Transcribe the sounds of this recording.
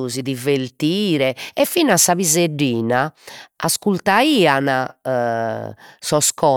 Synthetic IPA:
uziðivelt̪iːɾɛɛfinasːaβizeɖːiːnaaskult̪aiːana | sɔskɔ

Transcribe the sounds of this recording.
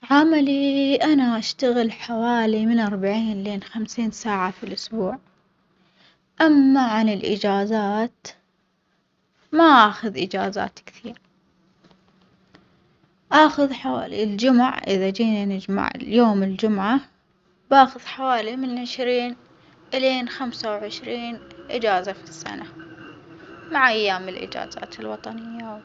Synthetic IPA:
ʕamaliʔanaʔaʃt̪aɣɪlħawaːlimɪnʔɑɾˤbaʕiːnleːnxamsiːnsaːʕafilʔʊsbuːʕ | ʔamːaʕanɪlʔɪ̰d͡ʒaːzaːt̪ | maʔaːxʊðʔɪd͡ʒaːza̰ːt̪kθiːɾ | ʔaːxʊðħawaːlḭld͡ʒʊmʊ̰ʕʔɪðad͡ʒiːnanɪd͡ʒma̰ʕ̰joːmɪld͡ʒʊmʕa | baːxʊðħawaːlimɪnʕɪʃɾiːn | ʔɪleːnxamsawʕɪʃɾiːnʔɪd͡ʒaːzafisːa̰na | maʕʔajːaːmɪlʔɪ̰d͡ʒa̰ːza̰ːt̪ɪlwɑt̪ˤɑnɪjːa

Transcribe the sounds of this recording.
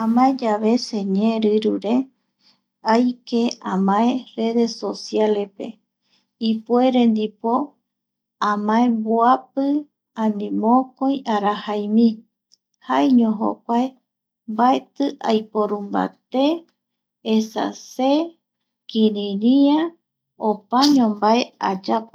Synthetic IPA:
ãmãẽd͡ʒaβe̞seɲẽɾɨɾuɾe | ajkeãmãẽre̞ðe̞sosjalepe | ipueɾend̪ipo̞ | ãmãẽbuapɨ | ãnĩmõkõj̃aɾahajmĩ | haeɲõɦo̰k̚ʷae | mbaet̪ɨʔajpoɾumba̰t̪eː | sa̰se | kĩɾĩɾĩã | opaɲõmbaead͡ʒap

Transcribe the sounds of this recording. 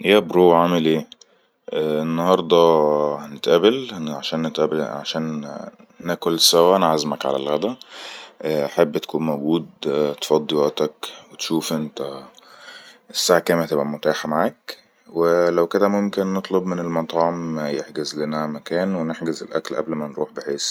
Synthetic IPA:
jæbɾoːʕamelʔeː | ʔʔenːɑhɑɾˤd̪ˤɑhænet̪ʔæbelʕaʃæːnːet̪ʔæbeʕa̰ʃæːnː | æːkolsæwæʔænʕazmækʕa̰læ̰lɣæd̪æ | ʔaħebːt̪kuːnmæwɡuːd̪̚t̪fɑd̪ˤːewæʔt̪ækwet̪ʃuːfʔent̪æ | ʔesːaːʕkæːmhæt̪ebʔæmot̪aːħmaʕaːk | welæwked̪æmomkenːet̪ˤlobmenelmɑt̪ˤɑʕomːæjeħɡezlenæmækæːnweneħɡezelʔæ̰klʔæ̰blmænɾṵːħbeħeːs

